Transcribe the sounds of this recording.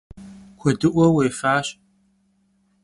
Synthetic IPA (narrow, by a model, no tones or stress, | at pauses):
kʷʰɔdɨʔʷɔweːjfaːɕ